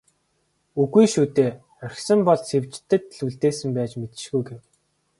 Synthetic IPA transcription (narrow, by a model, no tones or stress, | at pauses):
uɣujʃuːt̪eː | œr̆ʲxsə̆mpɔɮsewt͡ɕt̪ːɘ̆t̪ɮuɮt̪eːsɘ̆mpæːt͡ɕmet̪̆ʃɡujɡew